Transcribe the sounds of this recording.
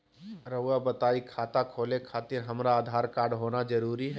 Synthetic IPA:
ɾɐʋabɐt̪aːikʰaːt̪akʰoːlekʰaːt̪ɪɾɦɐmɾaːd̪ʱaːɾkaːɾɖɦoːnad͡ʒɐɾuːɾiɦɛ

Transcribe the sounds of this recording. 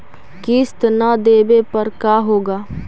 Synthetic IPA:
kɪst̪naːd̪eːbeːpəɾkaːɦoːɡaː

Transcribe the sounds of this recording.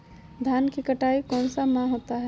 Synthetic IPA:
d̪ʱankekəʈaikɔnsamãɦot̪aɦɛ

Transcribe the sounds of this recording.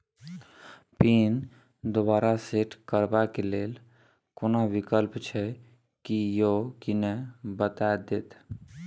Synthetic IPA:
piːn | d̪obaːɾaseʈkəɾbakeleːl | konoʋikəlpt͡ʃʰɛ | kijokinebət̪ad̪et̪

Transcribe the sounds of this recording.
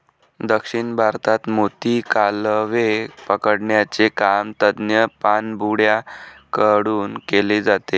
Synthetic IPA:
d̪əkʂiɳbʱaɾt̪at̪mot̪ikalʋepəkəɽɳjat͡sekamt̪əd̪njəpanbuɽjakəɽuːnkeled͡zat̪e

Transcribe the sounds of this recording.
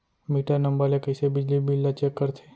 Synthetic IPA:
miːʈanə̃mbəɾlekɐɪsebɪd͡ʒlibʱilːat͡ʃeːkːəɾt̪ʰe̥ː

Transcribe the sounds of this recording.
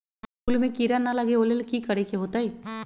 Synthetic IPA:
uːlmẽkiːɾanɐlɐɡeoːlelkikɐɾekeɦoːt̪aɦiː

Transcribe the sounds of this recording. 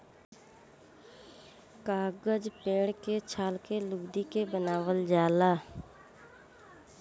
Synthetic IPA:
kaːɡəd͡ʒpẽːɽket͡ʃʰaːlkelʊɡd̪ikebənaːwəld͡ʒaːlaː

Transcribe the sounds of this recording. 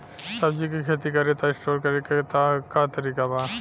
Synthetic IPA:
sɐbd͡ʒikikʰeːt̪̬ikɐɾet̪aɪsʈoːɾkɐɾeket̪akat̪ɐɾiːkaba

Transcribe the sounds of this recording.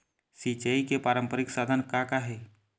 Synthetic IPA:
sit͡ʃeikepaːɾə̃mpəɾɪksaːd̪ʱənkakaɦe

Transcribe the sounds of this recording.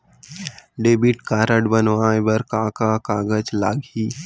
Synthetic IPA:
ɖeːbiʈkaːɾəɖbənʋaːebɐɾkãːkakaːɡəd͡ʒlaːɡiː

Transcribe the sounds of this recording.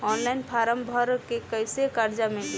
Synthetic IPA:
ɔnlajnpʰaɾəmbʱəɾkekəjsekaɾd͡ʒame

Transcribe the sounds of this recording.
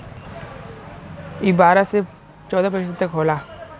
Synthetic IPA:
ibaːɾase | t͡ʃɔːd̪aːpəʃset̪ɐkɦoːlaː

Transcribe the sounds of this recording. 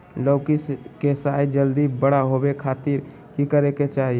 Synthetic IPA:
lokiskesajd͡ʒəld̪ibəɽaɦobekʰat̪iɾ | kikəɾeket͡ʃaɦie

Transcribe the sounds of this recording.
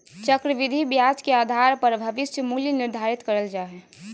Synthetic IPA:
t͡ʃəkɾəʋɪd̪ʱibjaːd͡ʒkeaːd̪ʱaɾpəɾbʱɐʋɪsjəmuljənɪɾd̪ʱaːɾɪt̪kəɾəld͡ʒaːɦɛ

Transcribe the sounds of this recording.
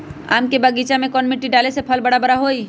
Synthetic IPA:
a̰ːmkebəɡiːt͡ʃamẽkɔːnmɪʈːiɖaːlesepʰəlbəɽabəɽaɦoːi

